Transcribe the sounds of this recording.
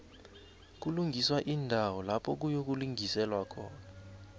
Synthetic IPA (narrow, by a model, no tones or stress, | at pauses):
k̬uluŋɡʱiswaʔindʱawɔlapʰɔk̬ujok̬uluŋʱisɛlwakʰɔ̰ːna